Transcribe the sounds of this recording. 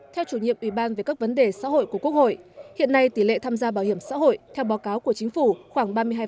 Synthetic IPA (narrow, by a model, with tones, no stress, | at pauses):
t̪ʰɛ˧wt͡ɕu˧˩ɲḭ˧˨əʔwi˧˩ɓaː˧nve˨˩kaː˦˥k̚və˨˦nɗe˨˩sa̰ː˧˥ɦo̰˧˨jku˧˩ku˦˥ək̚ho̰˧˨jhḭ˧˨ənːa˧jt̪i˧˩lḛ˧˨t̪ʰaː˧mzaː˧ɓaː˧˩whi˧˩əmsa̰ː˧˥ɦo̰˧˨jt̪ʰɛ˧wɓaː˨˦wkaː˨˦wku˧˩ət͡ɕï˨˦ŋ̟fu˧˩xwaː˧˩ŋɓaː˧mɨ˧əjaː˧